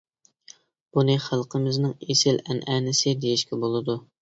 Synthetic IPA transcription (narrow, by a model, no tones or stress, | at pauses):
b̥unɨχælˠqʰəmɪznɨŋesɪlɛnʔɛːnɪsɪd̪ejiʃkʲɛbolˠɨd̪u